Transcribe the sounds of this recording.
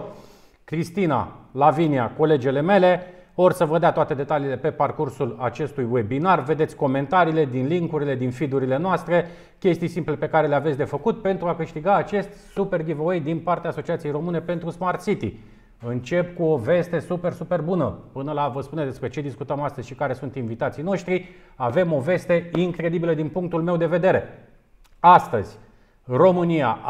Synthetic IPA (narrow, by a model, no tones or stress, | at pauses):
kɾist̪ina̰laviniako̞le̞d͡ʒele̞me̞le̞orsəvəd̪eat̪oat̪e̞d̪e̞t̪aliːle̞pe̞parkursulat͡ʃe̞st̪ujwe̞binarve̞d̪e̞t̪sʲko̞me̞nt̪aɾiːle̞d̪inliŋkuɾile̞d̪infid̪uɾile̞noast̪ɾe̞ | kʲe̞st̪ijsimple̞pe̞kaɾe̞le̞avesʲd̪e̞fəkut̪̚pe̞nt̪ɾuakɨʃt̪iɡaːt͡ʃe̞st̪ʲsupe̞rɡivoejd̪inpart̪eaːso̞t͡ʃiat̪sijejro̞mɨne̞pe̞nt̪ɾusmart̪sit̪ḭ | ɨnt͡ʃe̞pkuo̞ve̞st̪e̞supe̞rsupe̞rbunəpɨnəlavəspuned̪e̞spɾe̞t͡ʃe̞d̪iskut̪əmast̪əzʲʃikaɾe̞sunt̪invit̪at̪sijno̞ʃt̪ɾiave̞mo̞ve̞st̪e̞iŋkɾe̞d̪ibiləd̪inpuŋk̚t̪ulme̞wd̪e̞ve̞d̪e̞ɾe̞ | ast̪ə̰zʲ | ro̞mɨnia